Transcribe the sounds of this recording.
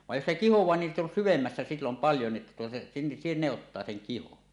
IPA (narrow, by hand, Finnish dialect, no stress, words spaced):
ʋɑj jos se kihowˑɑː nin sit on syʋemːæsːæ silːom pɑljo ni etːæ tuotɑ si ne otːɑː seŋ kihon